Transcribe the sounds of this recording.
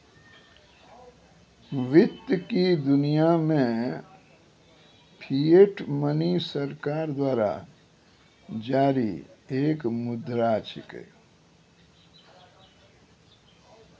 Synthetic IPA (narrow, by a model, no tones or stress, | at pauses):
ʋɪt̪jkid̪ʊnijamẽ | pʰieʈmənisəɾkaːɾd̪waːɾa̰ | d͡ʒaːɾḭeːkmʊd̪ɾaːt͡ʃʰɪkḛ